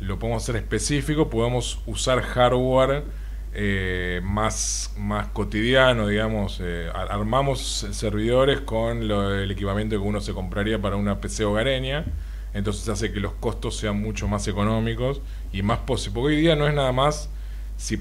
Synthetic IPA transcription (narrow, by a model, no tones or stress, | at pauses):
lopoðemosase̞ɾe̞hpe̞sifiko̞poðemo̞s | usaɾxaɾɣwaɾ | emas | masko̞t̪iðjano̞ðiɣamo̞se | aaɾmamo̞s | seɾβiðo̞ɾe̞skonlele̞kipamjent̪okeunose̞ko̞mpɾaɾiapaɾaunape̞seoɣaɾenja | ent̪o̞nse̞sas̬e̞ke̞lo̞hko̞st̪o̞sːe̞anmut͡ʃo̞mase̞ko̞no̞miko̞s | imahposipokeojðianoe̞ɦnaðamasː | i